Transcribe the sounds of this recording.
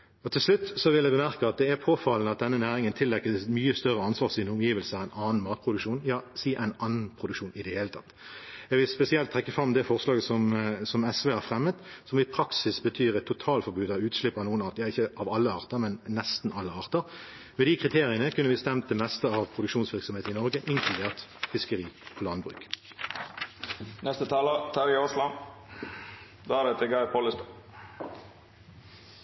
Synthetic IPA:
ɔt̪ʰɪlslʉt̪ːsɔʋɪlːɛɪbəmæʁkəɑt̪̚d̪ɛæʁpʰoːfɑlnəɑt̪̚d̪ɛnːənæːɾɪŋənt̪ʰɪlːɛkːəmyːəst̪œʁəɑnsʋɑːʁsiːnəʊmjiːʋəlsəʁæɪnʔɑːn̩mɑːt̪̚pʰʁʊd̪ʉkʃuːnjɑːsiːʔæɪnɑnːn̩pʰʁʊd̪ʉkʃuːnɪd̪ɛheːlət̪ʰɑt̪ːɛɡʋɪlspɛsɪɛlt̪ʰːʁɛkːəfɾɑmːd̪ɛfɔʁslɑːɡəsɔmsɔmɛsʋɛːhæɾfʁɛmːət̪ | sɔmɪpʰɾɑksɪsbət̪ʰyːɾɛt̪ʰːʊt̪ʰɑːlfɔɾbʉːd̪ɑʉːt̪slɪpːɑnuːənɑːt̪jɑːɪçːəʔɑʋɑlːəɑːʁt̪əʁmɛnnɛst̪n̩ʔɑlːəɑːʁt̪əʁ | mɛːd̪ɪkʁɪt̪ʰeːʁɪənəkʰʉnːəʋɪst̪ɛmt̪əmɛst̪əɑʋpʰʁʊd̪ʉkʃuːnsʋɪʁksɔmheːt̪ɪnɔʁɡəʔɪŋkʰlʉd̪eːʁt̪fɪskəʁiːpʰɔlɑnbʁʉ̰k | nɛst̪ət̪ʰɑːlət̪ʰɑɾɪoːslɑn | d̪oːæd̪ɛt̪ʰɛɡɑɪpʰoləst̪

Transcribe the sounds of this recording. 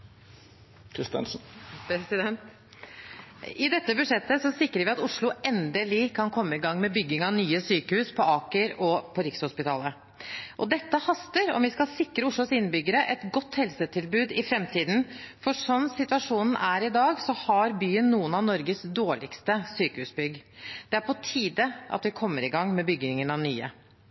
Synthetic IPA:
kʰɾɪst̪ɛ̰nsn̩pʰɾɛsɪd̪ɛnt̪ | ɪd̪ɛt̪ːəbʉʂɛt̪ːəsɔsɪkɾəɾʋɪɑt̪ʊʂɭʊʔɛnd̪əlɪkʰɑnkʰɔmːəɪɡɑŋːmɛbʏɡːɪŋɑnyːəsyːkəhʉːspʰɔɑːkəɾɔpʰɔɾɪkshʊspɪt̪ʰɑːlə | ʔɔd̪ɛt̪ːəhɑst̪əɾɔ̰mʋɪskɑlsɪkːɾəʊʂɭʊsɪnːəbʏɡəɾəʔɛt̪ɡɔt̪ːhɛlsət̪ʰɪlbʉːd̪ɪfɾɛmt̪ʰiːd̪n̩fɔʂɔmsɪt̪ʉɑʂuːnn̩æɾɪd̪ɑːɡsɔhɑɾbyːənːuːənɑʋnɔɾɡəsd̪oːɭɪkst̪əsyːkəhʉːsbʏɡd̪̥ɛæɾpʰɔt̪ʰiːd̪əʔɑ̰t̪ʋɪkʰɔmːəɾɪɡɑŋːmɛbʏɡɪŋənɑʋnyːə̰

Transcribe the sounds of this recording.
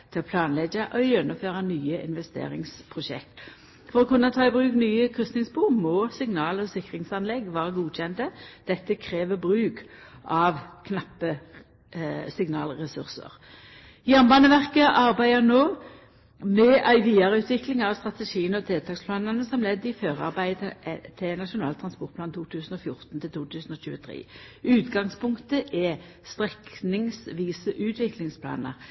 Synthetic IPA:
t̪ʰɪlɔpʰlɑːnlɛɡəʔɔjɛnːʊmføːʁɑnyːəʔɪ̰nʋɛst̪ḛːʁɪ̰ŋspʰʁʊʃɛ̰k̚t̪ | fɔʁɔkʉnːɑt̪ʰɑːɪbʁʉːknyːəkʰʁʉst̪nɪŋsbuːmɔːsɪŋnɑːlɔsɪkːʁɪŋsɑnlɛɡʋɑːʁəɡuːc͡çɛnt̪əd̪̥ɛt̪ːəkʰʁeːʋəbʁʉːkʔɑʋkʰnɑpːə | sɪŋnɑːlʁɛsʉʁsə̰ʁ | jæʁnbɑːnəʋæʁkəʔɑʁbæɪənoː | mɛʔæɪʋiːɑʁəʉːt̪ʋɪklɪŋɑʋst̪ʁɑt̪ɛʂiːənɔt̪ʰeːlt̪ʰɑːkspʰlɑːnənəsɔmlɛd̪ːɪføːʁɑ̰ʁbæɪd̪ət̪ʰɪnɑʂʊnɑ̰ːlt̪ʰʁɑnspɔʁt̪̚plɑːnt̪ʰuːt̪ʰʉːsən̩ɔfjʊʁt̪nt̪ʰɪlt̪ʰuːt̪ʰʉːsən̩ɔɕʉːət̪ʰʁḛː | ʉːt̪ɡɑŋspʰʊŋkt̪əʔɛ | st̪ʁɛknɪŋsʋiːsəʔʉːt̪ʰʋɪklɪŋspʰlɑ̰ːnə̰ʁ

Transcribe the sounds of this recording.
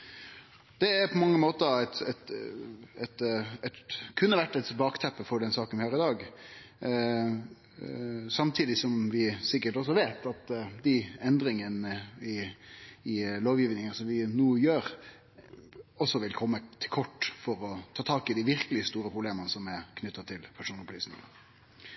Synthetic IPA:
d̪̥ɛæɾpʰɔmɑŋːəmoːt̪əɛt̪ɛt̪ | ɛt̪ɛt̪kʰʉnːəʋæʈːɛt̪bɑːkt̪ʰɛpːəfɔɖɛnsɑːkənʋɪhøːɾəɪd̪ɑːɡ | sɑmt̪ʰiːd̪ɪsɔmʋɪsɪkːəʈɔs̬ɔʋeːt̪ɑt̪d̪ɪɛnd̪ɾɪŋənəɪ | ɪloːʋjiːʋnɪŋəsɔmʋɪnuːəjøːɾ | ɔsːɔʋɪlkʰɔmːət̪ʰɪkʰɔʈːfɔɾɔt̪ʰɑːt̪ʰɑːkɪd̪ɪʋɪɾkəlɪst̪uːɾəpʰʁʊbleːmənəsɔmɛkʰnʉt̪ːɑt̪ʰɪlpʰæʂuːnɔpliːsnɪ̰ŋə̰

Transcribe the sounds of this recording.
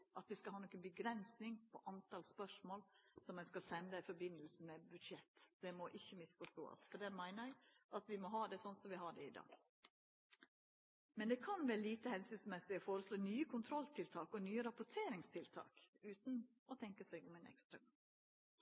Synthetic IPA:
ʔɑt̪ʋɪskɑhɑːnɔkːənbəɡɾɛnsnɪŋpʰɔʔɑnt̪ɑlspœʂmoːlsɔmæɪskɑlsɛnd̪ɑɪfɔɾbɪnːəlsəmɛbʉd̪ʂɛt̪ːd̪̥ɛmɔʔɪçːəmɪsfɔst̪o̰ːɑ̰sfɔɖ̪ɛmæɪnəɾæɪʔɑt̪ʋɪmɔɦɑːd̪ɛsɔnsɔmʋɪɦɑɖɛɪd̪ɑ̰ːɡ̥ | mɛnd̪ɛkʰɑnʋeːɾəliːt̪əhɛnsʏnsmɛsɪɔfoːɾəsloːnyːəkʰʊnt̪ʰɾɔlt̪ʰɪlt̪ʰɑːkɔnyːəɾɑpʊʈʰeːɾɪŋst̪ʰɪlt̪ʰɑ̰ːkʉːt̪n̩ | ɔt̪ʰɛŋkəsæɪɡɔmɛnɛ̰kst̪ɾɑɡɑ

